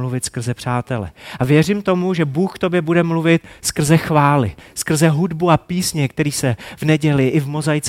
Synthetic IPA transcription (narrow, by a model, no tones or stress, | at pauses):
luvɪt̪skr̩zɛpr̝̥aːt̪ɛlɛ̰ʔavjɛrimt̪o̞muʒɛbuːxkt̪objɛbudɛmluvɪt̪̚skr̩zɛxvaːlɪ̰skr̩zɛɦudbuapiːsɲɛkt̪ɛɾiːsɛvnɛɟɛlɪʔɪvmo̞zajt͡s